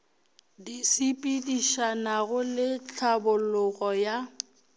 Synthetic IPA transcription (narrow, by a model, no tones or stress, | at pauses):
disipʼidiʃanaɣʊlɪt͡ɬʰabʊlʊɣɔja